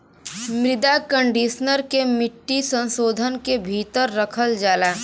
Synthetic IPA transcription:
mɾɪd̪akə̃ɳɖiːʃnəɾkemɪʈːisə̃nsoːd̪ʱənkebʱiːt̪əɾːɐkʰəld͡ʒaːlaː

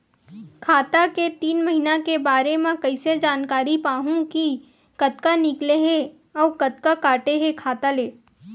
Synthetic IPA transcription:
kʰaːt̪aket̪iːnmɐɦinakebaːɾemẽkɐɪsed͡ʒaːnkaːɾipaːɦũki | kɐt̪kanɪkleɦe | ɔːkɐt̪̚kakaːʈeɦekʰaːt̪aleː

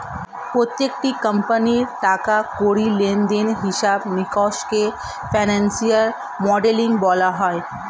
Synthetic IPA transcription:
pɾoːt̪jek̚ʈikə̃mpəniʈaːkakoːɽilẽːnd̪enɦɪʃaːbnɪkɔːʃke | pʰɛːnɛ̃nsijəɾ | mɔːɖelɪ̃ŋɡbɔːlaɦɔːj

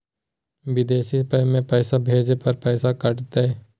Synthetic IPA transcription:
ʋɪd̪eːsiːpəːmẽːpɛːsabʱeːd͡ʒepəɾpɛːsakəʈt̪eː

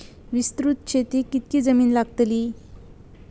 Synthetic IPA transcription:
ʋist̪ɾut̪̚ɕʰet̪ikit̪̚kiːd͡zəmiːnlaɡ̚t̪li

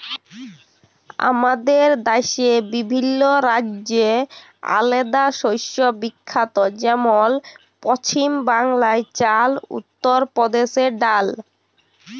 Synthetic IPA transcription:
a̰mad̪eɾd̪aʃebibʱinːoɾad͡ʑd͡ʑe | a̰led̪aʃojʃobikʰːat̪od͡ʑɛmol | pɾɔt͡ɕʰimbaŋlaet͡ɕalṵt̪ːoɾpɾɔd̪eʃeɖal

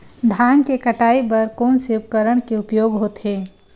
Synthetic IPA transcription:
d̪ʱaːnkekəʈaːibɐɾkoːnseʊp̚kəɾəɽkeʊpjoːɡɦoːt̪ɦeː

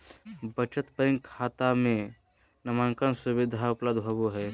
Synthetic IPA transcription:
bət͡ʃət̪pəɾɪ̃ŋkʰaːt̪amẽ | nɐmaːŋkənsʊbɪd̪ʱaʊpləd̪ʱbʱəbuɦɛː

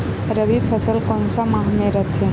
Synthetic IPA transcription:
ɾəbipʰəsəlkonsamaɦmẽɾət̪ʰẽ

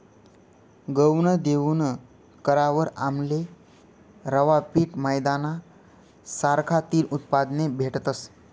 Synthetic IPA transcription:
ɡəwɳəd̪eunə | kəɾaʋəɾamle | ɾəʋapiːʈməjd̪ana | saɾkʰat̪iːlʔut̪̚pad̪nebʱeʈət̪əs

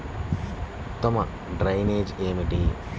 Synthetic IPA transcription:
t̪ɔmɐ | ɖɾɐjneːd͡ʒeːmiɖiː

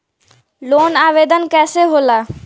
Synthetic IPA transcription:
loːnaːʋed̪ənkɛːseɦola

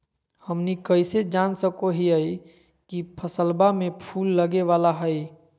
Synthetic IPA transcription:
həmnikəɪsed͡ʒaːnsəkoɦiəi | kipʰəsəlbamẽpʰuːlːəɡeʋaːlaɦəi

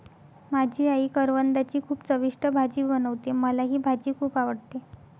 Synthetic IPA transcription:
mad͡ʑʱiːaiːkəɾʋənd̪at͡ɕiːkʰuːpt͡səʋiʂʈəbʱad͡ʑiːbənəʋt̪eməlaɦiːbʱad͡ʑiːkʰuːpaʋəɽt̪e

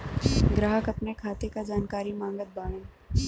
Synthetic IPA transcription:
ɡɾaːɦəkɐpnekʰaːt̪ekad͡ʒaːnkaːɾimãːŋɡət̪̚baːɽẽː

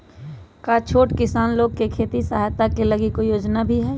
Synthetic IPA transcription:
kaːt͡ʃʰoːʈkɪsaːnloːɡ̚kekʰeːt̪isaɦjt̪akelɐɡikojoːd͡ʒnabʱiɦɛː

